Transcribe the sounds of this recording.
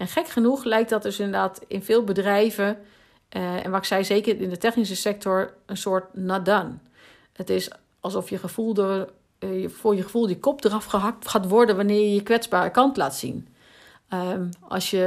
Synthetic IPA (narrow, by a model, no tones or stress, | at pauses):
ɛnxɛkχənuxlɛjk̚dɔt̚døsɪndəɹdaːtɪnfɪːlˠbədrɛjvə | ɛ̰nʋɔtɪksɛjzeːkərɪndətɛxnis̬əsɛk̚tɔɹənsoːɹtnadan | ətɪs | ɑlˠsɔfjəχəfulˠd | əfʊjəχəfulˠdikɔp̚dərɔfxəɦɑk̚txaːtʋɔɹdənʋanɪːjəkʋɛt͡sbaːrəkɑntla̰ːtsḭn | ʔɑ̰lˠsjə